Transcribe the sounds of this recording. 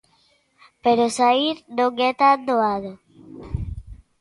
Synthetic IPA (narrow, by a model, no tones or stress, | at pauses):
peɾosaiɾnoɡet̪ad̪oaðo